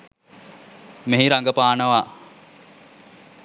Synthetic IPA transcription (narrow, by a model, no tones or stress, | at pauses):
meɦiɾaŋɡəpaːnəʋa